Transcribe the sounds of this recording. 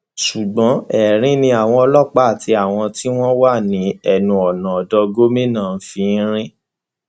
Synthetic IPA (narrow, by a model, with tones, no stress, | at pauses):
ʃu˨ɡ͡bɔ̃˨˦ɛ˨ɾ̃ĩ˨˦nĩ˧˦a˨w̃ɔ̃˧ɔ˧lɔ˦˨k͡pa˦a˨ti˧a˨w̃ɔ̃˧ti˦w̃ɔ̃˦wa˦˨nĩ˨˦ɛ˦˨nũ˧ɔ˨nã˨ɔ˨dɔ˧ɡo˦mĩ˦nãː˦˨˦fi˧˦ɾ̃ĩ˦